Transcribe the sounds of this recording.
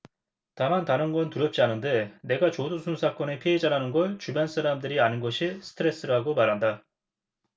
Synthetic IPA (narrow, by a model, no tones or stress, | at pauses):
tamantaɾɯnɡʌntuɾjʌp̚t͡ɕ͈ianɯnde̞ne̞ɡat͡ɕodusʰunsʰak͈ʌne̞pʰiɦed͡ʑaɾanɯnɡʌɭt͡ɕubjʌns͈ʰaɾamdɯɾianɯnɡʌɕʰisʰɯ̥tʰɯɾe̞s͈ɯɾaɡomaɾɦanda